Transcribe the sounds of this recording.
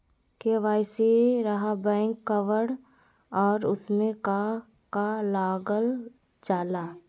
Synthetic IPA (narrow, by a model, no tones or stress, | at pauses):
keʋaːɪsiɾɐɦabɛ̃ːŋkːəʋəɽ | ɔːɾʊsmẽka | kalaːɡəl | d͡ʒaːlaː